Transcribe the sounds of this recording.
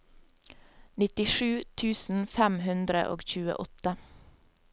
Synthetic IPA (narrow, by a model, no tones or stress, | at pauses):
nɪt̪ɪʃʉːt̪ʰʉːsn̩fæmhʉnd̪ɾə̰ʔo̰ːɡçʉːə̰ʔɔt̪ə